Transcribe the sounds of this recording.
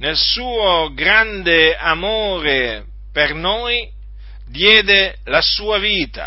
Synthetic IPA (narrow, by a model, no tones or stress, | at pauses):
nelsuːoɡɾand̪eamoːɾe | pernoːj | d̪jɛːd̪elasuːaviːt̪a̰